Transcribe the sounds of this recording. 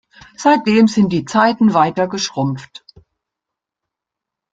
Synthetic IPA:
z̥aɪt̚d̥eːmzɪnt̚d̥iːt͡saɪtn̩vaɪtɐɡəʃʁ̥ʊmft

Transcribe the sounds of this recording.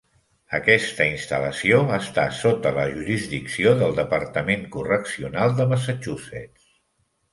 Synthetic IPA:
əkɛst̪əinst̪ələsioəst̪a̰sot̪ələʒuɾizdiksioðəlˠd̪əpəɾt̪əmeŋkurəksiunalˠd̪əməs̬ət͡ʃusɛt͡s

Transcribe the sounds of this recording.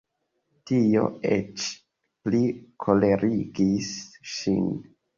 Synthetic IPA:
tio̞̰ḛt͡ʃ | plikʰo̞le̞ɾʔiɡisʃḭn

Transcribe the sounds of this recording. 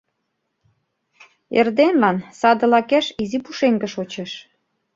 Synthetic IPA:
erd̪enlɑnsɑd̪ɤ̆lɑkeʃizipuʃeŋɡə̆ʃot͡ɕĕʃ

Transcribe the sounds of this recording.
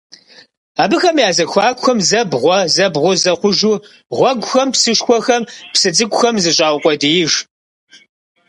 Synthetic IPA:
aːbɨxɐmjaːzɐxʷɑːkʷxɐmzɐbʁʷɔzɐbʁʷʊzɐχʷʊʒuː | ʁʷɔɡʷʊxɐmpsɨʃxʷɔxɐmpsɨd͡zɨkʷʊxɐmzɨɕʼaːwqʷʼɔdijɪʒ

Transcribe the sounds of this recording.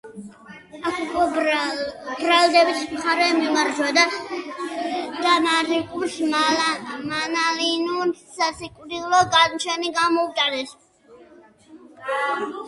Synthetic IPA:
akʰukʰʼɛ | bɾald̪ɛbit̪ʰmχaɾɛmimaɾd͡ʒɔad̪a | d̪̥anaɾikʼus | manalinuɾsasikʼvɾilɔɡant͡ʃʰɛniɡamɔukʼɛnɛs

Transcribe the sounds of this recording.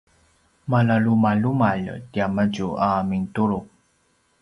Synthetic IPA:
malalumalumaʎtiaməɟuamintuɾu

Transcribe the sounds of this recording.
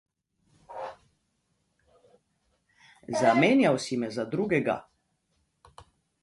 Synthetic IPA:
zameːnjawsimɛzad̪ɾuːɡɛɡa̰

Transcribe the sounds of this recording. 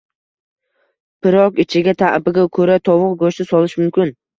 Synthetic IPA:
pʰɪɾɒkʲɪt͡ʃʰɪɡʲat̪ʰaʔbɪɡʲakʰɵɾat̪ʰɒwʊqɡoʃɪsɒlˠɪʃmʊmkʲɪn

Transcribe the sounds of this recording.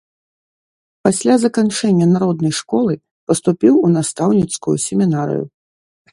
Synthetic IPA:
pasʲlʲazɐkant͡ʂɛnʲːɐnaɾɔd̪nɐjʂkɔlˠɨ | pɐst̪upʲiwunast̪awnʲit̪skujṵsʲɛmʲinaɾɨ̰jṵ

